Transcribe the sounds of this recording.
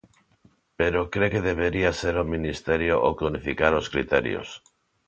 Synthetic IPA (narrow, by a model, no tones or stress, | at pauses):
peɾokɾekeðeβ̞eɾiaseɾominist̪eɾjoʔokonifikaɾoskɾḭt̪ḛɾjo̰s